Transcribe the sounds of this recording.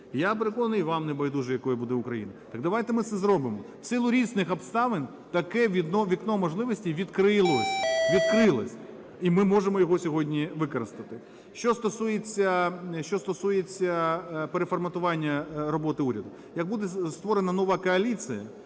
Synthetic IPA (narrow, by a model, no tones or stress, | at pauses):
japeɾekɔnnʊjʋɑmnebɐjd̪uʒɛjɐkɔjibud̪ɛʊkɾɐjḭnɐt̪ɐɡd̪ɐʋajt̪ɛmɪt̪sɛzɾɔbɪmɔ | sɪlˠʊɾʲiznɪxɔpst̪ɑʋɪnʲ | t̪ɐkɛʋʲid̪ɔʋʲiknɔmɔʒlˠɪʋɔsʲtʲiʋʲid̪kɾɪlˠɔʋʲid̪kɾɪlˠɐsʲ | imɪmɔʒemɔjɔɦɔsʲɔɦɔdʲnʲiʋɪkɔɾɪst̪ɐt̪ɪ | ʃt͡ʃɔst̪ɔsujet͡sʲːɐʃt͡ʃɔst̪ɔsujet͡sʲːɐpeɾefɔrmɐt̪ʊʋɑnʲːɐɾɔbɔt̪ɪuɾʲɐd̪ʊ | jɐɡ̚bud̪ɛst̪ʋɔɾenɐnɔʋɑkɔɐlʲit͡s̪ʲɨjɐ̰